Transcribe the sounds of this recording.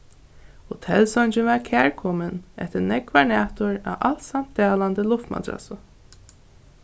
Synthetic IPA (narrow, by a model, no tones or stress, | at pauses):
hʊt̪ʰɛlsɔnt͡ʃɪnvakʰæːɹkʰɔːmənɛ̰ht̪ənɛkvaɹɳæːt̪ʊɹa̰ʔalt̪sam̥t̪d̪aːland̪əlʊft̪ma̰t̪ɾa̰sʊ